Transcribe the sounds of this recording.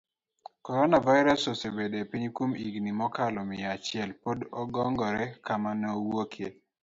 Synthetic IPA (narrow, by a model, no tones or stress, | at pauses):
kɔɾɔnavaɪɾasosebedepiɲkwumḭɡnimɔkalɔmɪat͡ʃɪɛlpodɔɡɔŋɡɔɾɛkamanɔwokʰe